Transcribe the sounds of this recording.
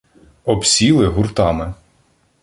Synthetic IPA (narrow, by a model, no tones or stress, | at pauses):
ɔbsʲilˠɪɦʊrt̪ɑmɪ